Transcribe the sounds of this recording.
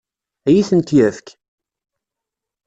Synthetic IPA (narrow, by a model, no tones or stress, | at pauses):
jiθənt̪jæfk